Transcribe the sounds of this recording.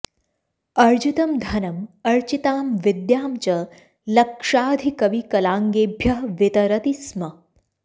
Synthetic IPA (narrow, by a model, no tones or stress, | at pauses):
ɐɾd͡ʒut̪ɐmd̪ʱɐnɐmɐɾt͡ʃit̪aːmʋɪd̪jaːmt͡ʃɐ | lɐkʂaːd̪ʱikɐʋikɐlãːŋɡeːbʱjɐɦʋɪt̪ɐɾɐt̪ismɐ